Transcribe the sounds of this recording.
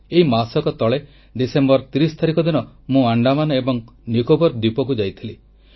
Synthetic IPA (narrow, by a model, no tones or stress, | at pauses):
eɦimasɔkɔt̪ɔɭe | ɖisembɔɾt̪iɾist̪ʰaɾikɔd̪inɔmũaɳɖamanɔebɔŋnikobɔɾd̪ipɔkud͡ʒajt̪ʰili